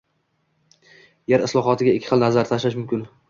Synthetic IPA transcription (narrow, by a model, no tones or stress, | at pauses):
jeɾɪslˠɒχɒt̪ʰɪɡʲaɪkʲʰːɪ̥χɨlˠnazaɾt̪ʰaʃlaʃmʊmkʲɪn